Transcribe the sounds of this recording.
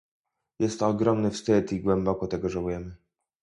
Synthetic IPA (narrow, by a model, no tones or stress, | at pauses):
jɛst̪ːɔːɡɾɔmnɘfst̪ɘt̪iɡwɛmbɔkɔt̪ɛɡɔʐawujɛmɘ